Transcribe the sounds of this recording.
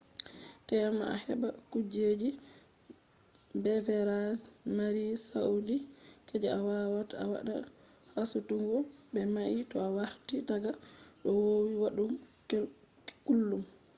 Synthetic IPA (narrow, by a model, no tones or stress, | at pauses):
tɛamaa̰hɛ̰bakud͡ʒed͡ʒi | bɛvɛɾasmaɾisaudikɛd͡ʒɛawawataa̰wa̰ɗa̰ | hasutuŋɡɔbɛmaʔitɔawaɾtidaɡaɗɔwowiwaɗumke | kulːum